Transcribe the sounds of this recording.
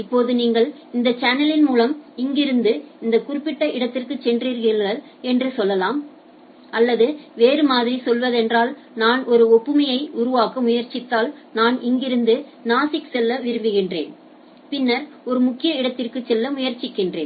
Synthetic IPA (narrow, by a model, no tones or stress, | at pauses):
ɪpːoːðɯniːŋɡɐɭ | ɪnd̪ɐt͡ʃɐnɐlɪnmuːlɐmɪŋɡɪɾɯnd̪ɯɪnd̪ɐkʊrɪpːɪʈːɐʔɪɽɐt̪ːɪrkɯt͡ʃːɛndriːɾɣɪɡɐɭ | ɛndrɯsɔlːɐlaːm | ʔɐlːɐðɯʋeːɾɯmaːðɪɾisɔlʋɐðɛndraːl | naːnɔɾɯɔpːɯmɐjɐɪʔʊɾʊʋaːkɐmʊjɐɾt͡ʃɪt̪ːaːlnaːnɪŋɡɪɾɯnd̪ɯnaːsɪksɛlːɐʋɪɾɯmbɯɣɪndrḛːn | pɪnːɐɾ | ɔɾɯmʊkːɪjɐɪɽɐt̪ːɪrkɯt͡ʃːɛlːɐmʊjɐɾt͡ʃɪkːɪndrḛːn